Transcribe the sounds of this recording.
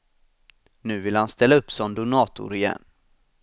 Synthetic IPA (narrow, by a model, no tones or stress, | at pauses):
nʉ̟ːvɪlhanst̪ɛlːaɵpːsɔnd̪ʊnɑːt̪ʊ̰ɾɪjɛ̰nː